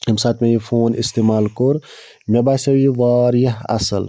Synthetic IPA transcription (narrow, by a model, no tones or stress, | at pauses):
emsaːt̪ʰmẽjifʰoːnist̪eːmaːlkoɾ | mʲebaːsɐwiʋaːɾjɐɦɐ̰sə̰l